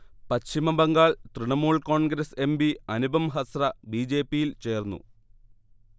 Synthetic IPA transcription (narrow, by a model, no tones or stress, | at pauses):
pɐɕimɐbɐŋɡaːɭt̪riɳɐmuːɭko̞ːɳɡɾɐse̞mbiɐnubɐmɦɐsrɐbiːd͡ʑe̞ːpːijilt͡ɕe̞ːrnːṵ